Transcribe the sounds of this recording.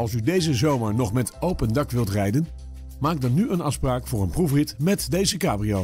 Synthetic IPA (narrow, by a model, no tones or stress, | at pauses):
ɑlˠsydejzəzowməɹnɔχmɛtowpəndɑkʋɪlˠtrɛjdən | maːɡ̚dɑnːyənɑfspraːkfʊːɹənprufrɪtmɛtdejzəkaːbrio